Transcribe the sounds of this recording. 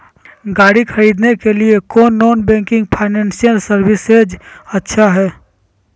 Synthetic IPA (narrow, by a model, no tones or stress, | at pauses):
ɡaːɽikʰɐɾiːd̪nekeliekɔːnːɔːnbɛ̃ːŋkɪ̃ŋɡ̚pʰaːɪnɛ̃ːnsijəlsəɾwɪsed͡ʒɐtːʃʰaɦɛː